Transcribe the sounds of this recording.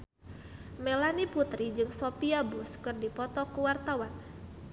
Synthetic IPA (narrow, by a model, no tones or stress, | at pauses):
melaniput̪ɾid͡ʒɨŋsopiabʊskɨrdipɔt̪ɔkuwart̪awan